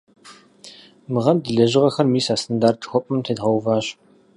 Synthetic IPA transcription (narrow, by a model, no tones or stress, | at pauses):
mɨʁɐmdɨɮɐʑɪʁɐxɐrmiːsaːstʰandaːrtxʷɔpʼɨmtʰeːdʁɐwvaːɕ